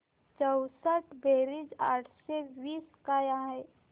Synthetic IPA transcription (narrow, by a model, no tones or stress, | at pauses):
t͡ʃəwsəʈʰbeːɾɪd͡ʒaːʈʰseʋiːskaːjãɦɛː